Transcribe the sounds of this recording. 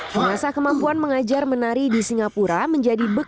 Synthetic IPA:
bənasakəmampuanməŋad͡ʒarmənaɾidisiŋapuɾaməɲd͡ʒadibə

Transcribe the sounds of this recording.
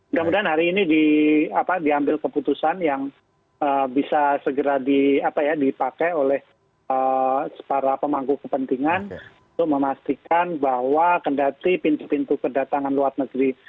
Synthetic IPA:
mudamudaanɦaɾiːnidiapadiambɪlkəput̪usanjaŋ | əbisasəɡəɾadiapajadipakajolɛh | əspaɾapəmaŋɡukəpənt̪iŋanunt̪ʊk̚məmast̪ikanbahwakəndat̪ipint̪upint̪ukədat̪aŋanluat̪nəɡɾi

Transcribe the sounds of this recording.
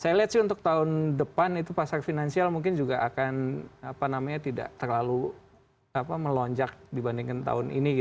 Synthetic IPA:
sajaliat̪sɪhunt̪ʊk̚t̪aʊndəpanit̪̬upasarfinansialmuŋkɪnd͡ʒuɡaʔakanapanamaɲat̪ida̰ʔt̪ərlalu | apaməlɔɲd͡ʒak̚dibandiŋkant̪a̰ʊnḭniɡi

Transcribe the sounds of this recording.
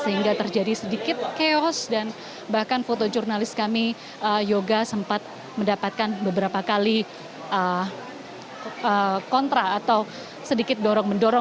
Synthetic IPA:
səɦiŋɡat̪ərd͡ʒadisədikɪt̪̚keɔsdan | bahkanfot̪od͡ʒurnalɪskami | əjoɡasəmpat̪̚ | məndapat̪̚kanbəbəɾapakali | ʔə | əkɔnt̪ɾaːt̪aw | sədikɪt̪̚dɔɾɔŋməndɔɾɔ

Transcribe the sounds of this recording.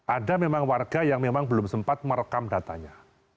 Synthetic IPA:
ʔadamemaŋwarɡajaŋmemaŋbəlʊmsəmpat̪̚mərkamdat̪a̰ɲa

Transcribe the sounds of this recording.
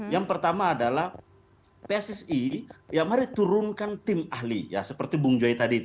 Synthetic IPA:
jaŋpərt̪amaːdalah | peɛsɛsijamaɾit̪uɾʊnkant̪ɪmahlija̰səpərt̪ibuŋd͡ʒuait̪adi

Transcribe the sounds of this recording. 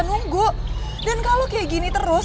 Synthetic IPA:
nuŋɡʊʔ | dankalokeɡinit̪əɾʊs

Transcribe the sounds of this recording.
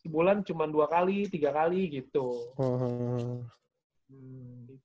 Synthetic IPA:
bulant͡ʃumanduakalit̪iɡakaliɡit̪uɦəɦ | m̩

